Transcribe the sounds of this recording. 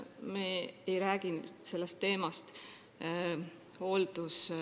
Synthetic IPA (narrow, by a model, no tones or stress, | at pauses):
meejɾæːɡ̥inse̞lːest̪ːe̞ːmɑst̪ | ho̞ːld̪us